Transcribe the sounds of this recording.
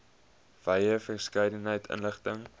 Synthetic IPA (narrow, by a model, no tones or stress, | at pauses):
v̥ɐjəfərskɐjdənɦəjtʰə̰nləχtəŋ